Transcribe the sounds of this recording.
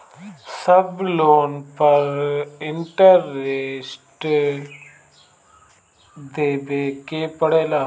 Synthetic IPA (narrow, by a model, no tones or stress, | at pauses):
səbloːnpəɾɪɳʈəɾeːsʈ | d̪eːbeːkeːpəɽeːlaː